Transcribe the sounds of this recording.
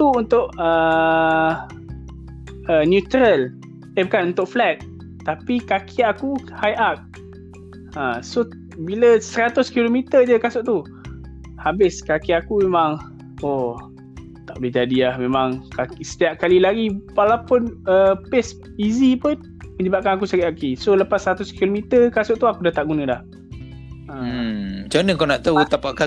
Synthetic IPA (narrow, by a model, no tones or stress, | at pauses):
t̪uunt̪ʊʔə | ənjut̪ɾəl | ebkanunt̪ʊʔflɛt̪̚ | t̪ːapikakʰiaʔakuhajʔak̚ | aso | biləsəɾat̪ʊskilomit̪əd͡ʒəkasʊʔt̪u | habɪskakiaʔakumemãŋ | o | t̪aʔbəlɪɦd͡ʒadiahmẽmaŋkakisə̥t̪iaʔkalilaɡiwalapʊnəpɪs | izipʊn | mə̃ɲəbaʔ̚kanak̬usəɡiʔakisoləpasːəɾat̪ʊskilomit̪ərkasʊʔt̪uakudaht̪aʔɡunə̃dah | ət͡ʃanəkanaʔt̪aut̪apaʔka